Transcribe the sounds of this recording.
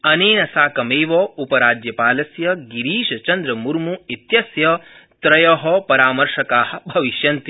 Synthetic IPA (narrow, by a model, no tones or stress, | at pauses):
ɐneːnɐsaːkɐmeːʋɔːupɐɾaːd͡ʒjɐpaːlɐsjɐɡiɾiːʃɐt͡ʃɐnd̪ɾɐmuɾmuit̪jɐsjɐ | t̪ɾɐjɐɦɔpɐɾaːmɐɾʃɐkaːɦɐ̆bʱɐʋiʃjɐnt̪i